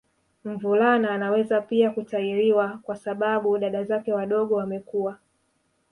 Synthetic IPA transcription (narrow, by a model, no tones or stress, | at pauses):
m̩vulanaːnawɛzapiakutaiɾiwakwasaɓaɓuɗaɗazakɛwaɗɔɠɔwamɛkuwa